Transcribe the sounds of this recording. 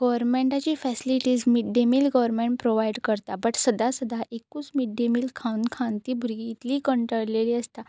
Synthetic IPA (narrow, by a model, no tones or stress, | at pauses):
ɡəʋəɾmẽɳʈat͡ɕiːfɛsiliʈiːd͡zmiɖemiːlɡəʋəɾmẽɳʈ̚pɾoʋajɖkəɾt̪abəʈsəd̪ʱasəd̪ʱaʔekuːsmiɖːemiːlkʰãnkʰãnt̪ibʱuɾiːt̪liːkəɳʈɾəɭleliːəst̪a